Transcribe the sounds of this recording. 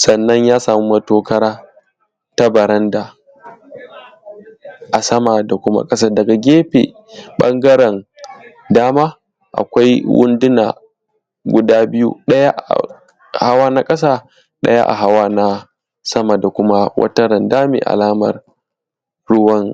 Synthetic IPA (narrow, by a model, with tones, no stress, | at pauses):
sɐ˨nːɐ˦ɲjaː˦saː˨mu˦mɐ˦toː˦kɐ˦ɾaː˦ | ta˦bɐ˨ɾɐ˦nda˨ | ʔa˨sɐ˦ma˨da˨kʷʊ˦ma̰˦kʼɐ˦s̬a˦dɐ˨ɡa˨ɡʲeː˦ɸḛː˨ | ɓɐ˦ŋɡɐ˦ɾɛ˨n | daː˦maː˦ | ʔa̰˨kʷa˦jwʊ̰˦ndɪ˦na̰ː˨ | ɡʷʊ˨daː˦bɪ˦jṵ˦ɗɐ˦ja˦ʔ | ha˦waː˦na˦kʼɐ˦saː˦ | ɗɐ̰˦ja̰˦ʔa̰˨ɦa˦waː˦na˦ | sɐ˦ma˨da˨kʷʊ˦ma˦wʔɐ̰˦tɐ˦ɾɐ˨ndaː˦mḛ˨ʔa̰˨laː˦mɐ̰˨r | ɽʊ˦wɐ˦ŋ